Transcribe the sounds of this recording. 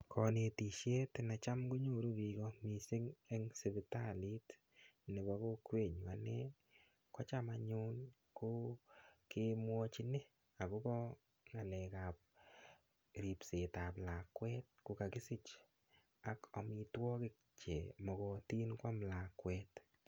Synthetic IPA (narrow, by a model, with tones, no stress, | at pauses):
kʰɔ˨ne˨ti˨ʃje˦tɪ˨na˨t͡ʃa˦mɡo˦ɲo˨ɾu˦bi˨ɡɔ˦mi˨si˦ŋe˦ŋsɪ˨bɪ˨ta˦li˦t | nɪ˨bɔ˦ko˦kwe˦˨ɲwa˨ne˦ | kɔ˦t͡ʃa˦ma˨ɲʊ˦n | kʊ˦kɪ˧mwɔ˦t͡ʃi˦nɪ˦ | a˨kʊ˦bɔ˦ | ŋa˨lɛ˨ka˨p̚ | ɾi˨pse˨ta˨pla˨kwɛ˦t̚kʊ˨˦ka˨ki˦si˦t͡ʃ | a˦kɔ˨mɪ˧twɔ˦kɪ˦k̚t͡ʃe˨mɔ˨kɔ˨ti˦nkwa˦mla˨kwɛt